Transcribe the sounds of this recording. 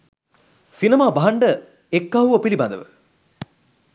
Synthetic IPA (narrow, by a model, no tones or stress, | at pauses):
sinɐmaːbɐɦɐɳɖə | ekːaɦuʋɐpilibɐnd̪ə̰ʋə̰